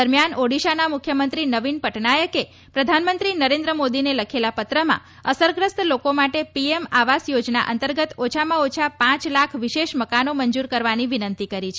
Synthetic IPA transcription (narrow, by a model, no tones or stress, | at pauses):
əɾmjanoɽiʃanamukʰjəmənt̪ɾinəʋinpəʈnajəke | pɾəd̪ʱanmənt̪ɾinəɾend̪ɾəmod̪ineləkʰelapət̪ɾəmã̰ | əsəɾɡɾəst̪lokomaʈepiemaʋasjod͡ʒna̰ʔə̰nt̪əɾɡət̪ot͡ʃʰamãot͡ʃʰapãt͡ʃlakʰʋiʃeʃməkanoməɲd͡ʒuɾkəɾʋaniʋinənt̪ikəɾit͡ʃʰe